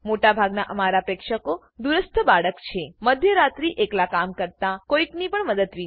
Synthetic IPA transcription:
moʈabʱaɡnaʔəmaɾapɾekʃəko | d̪uɾəst̪ʰəbaɽəkt͡ʃʰeməd̪ʱjəɾat̪ɾiʔeklakamkəɾt̪akoiknipəɳməd̪əd̪ʋi

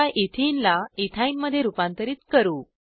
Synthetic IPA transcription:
aʔit̪ʰinlait̪ʰaimːəd̪ʱːjeɾupant̪əɾiːt̪kəɾuː

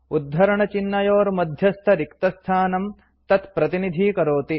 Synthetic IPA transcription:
ud̪ʱɦɐɾɐɳɐt͡ʃinːɐjoːɾmɐd̪ʱjɐst̪ʰɐɾikt̪ɐst̪ʰaːnɐm | t̪ɐt̪pɾɐt̪inid̪ʱiːkɐɾoːt̪i

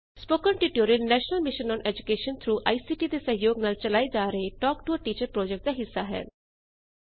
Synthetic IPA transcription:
spoːkənʈɪʈoːɾinnɛːʃnəlmɪʃənɔːnɛːd͡ʒʊkeːʃənt̪ʰɾuːʔa̰iːsiːʈiːd̪eːsə̃ɦjoːɡnaːlt͡ʃəlaːid͡ʒaːɾəeːʈɔːkʈuəʈiːt͡ʃəɾpɾɔːd͡ʒɛk̚ʈ̚d̪aːɦɪsːaːɦɛ̰ː

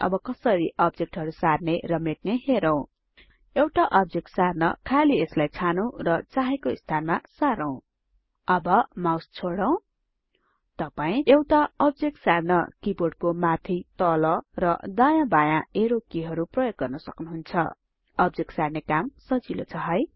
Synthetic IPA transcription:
ʌ̰bʌkʌsʌɾiʔʌbd͡zek̚ʈɦʌɾusarnerʌmeʈ̚neɦeɾʌw̃ | ewʈaʔʌb̚d͡zek̚ʈsarnʌ̰kʰalieslajt͡sʰanʌw̃rʌt͡saɦekoist̪ʰanmasaɾʌw̃ | ʌbʌmawst͡sʰoɽʌw̃ | t̪ʌpaĩewʈaʌb̚d͡zek̚ʈsarnʌkiboɽ̚komat̪ʰit̪ʌlʌrʌd̪ajãbajãeɾokiɦʌɾuprʌjoɡ̚ːʌrnʌsʌknuɦunt͡sʰʌ̰ | ʌb̚d͡zek̚ʈsarnekamsʌd͡zilo̰t͡sʰʌɦʌj

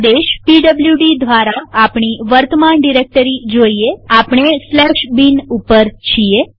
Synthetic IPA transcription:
d̪eʃpiɖəbljuɖid̪ʋaɾaapɳ̃iʋəɾt̪əmanɖiɾek̚ʈəɾid͡ʒoieapɳ̃eslɛʃbinupəɾt͡ʃʰie

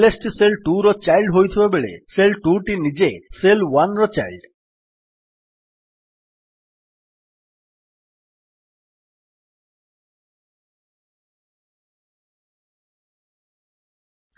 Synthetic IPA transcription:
lesʈiselʈuɾɔt͡ɕajlɖɦojt̪ʰibebeɭḛselʈuʈinid͡ʑeselwanɾɔt͡ɕajlɖ

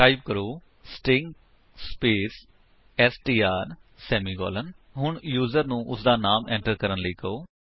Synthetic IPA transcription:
aːib̚kəɾoː | sʈɪŋɡ | speːs | ɛːsʈiːaːɾ | sɛːmiːɡɔ̰ːlən | ɦʊɳjuːzəɾnũːʔʊsd̪aːnaːmɛ̃ːɳʈəɾkəɾənləiːkəoː

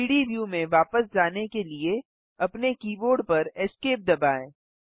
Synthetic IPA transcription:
iːɽiʋjuːmẽʋaːpəsd͡ʒaːnekelie | ɐpnekiːʋoːɾɖpɐɾɛːskeːp̚d̪ɐbaːẽː

